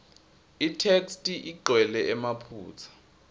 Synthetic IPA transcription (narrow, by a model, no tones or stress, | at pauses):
itʰekstʼiʔiǃʱwɛlɛɛmapʰṵːt͡sʰḁ